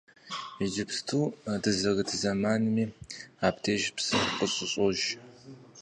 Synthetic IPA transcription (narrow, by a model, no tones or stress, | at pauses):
id͡ʒɪpstʰuːadɨzɐɣɨtʰzɐmaːnɨmiːaːpʰtʰeːʒpsɨqʼəɕʼɪɕʼɔʒ